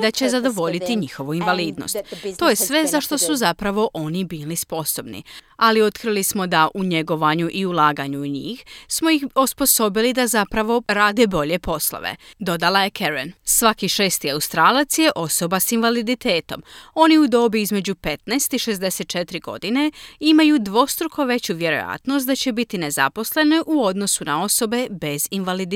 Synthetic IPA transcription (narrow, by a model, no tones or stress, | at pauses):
d̪at͡ɕezad̪o̞ʋo̞ʎit̪iɲixo̞ʋuinʋaliːd̪no̰stt̪t̪ːo̞ːjesʋe̞zaʃt̪o̞suzapɾaʋo̞ʔo̞nibiːlispo̞so̞bnḭalio̞t̪kɾilismo̞d̪aʔuɲe̞ɡo̞ʋaɲuʔiulaːɡaɲuːɲḭːxsmojixospo̞so̞bilid̪azapɾaʋo̞ɾaːd̪e̞bo̞ʎe̞po̞slˠo̰ʋḛd̪o̞d̪alaje̞kʰeɾḛnsʋakiʃeːst̪iawst̪ɾaːlat̪sje̞ʔo̞so̞basinʋalid̪it̪e̞ːt̪o̞mo̞niud̪o̞ːbiizme̞d͡ʑupe̞t̪nast̪iʃe̞zd̪e̞se̞t̪̚t͡ʃe̞t̪ɾiɡ̥o̞̰d̪ine̞imajud̪ʋo̞st̪ɾukʰo̞ʋe̞t͡ɕuʋje̞ɾo̞̰ja̰t̪nost̪d̪at͡ɕe̞bit̪ine̞za̰po̞sle̞neʔuo̞d̪no̞suna̰o̞so̞be̞be̞zinʋalid̪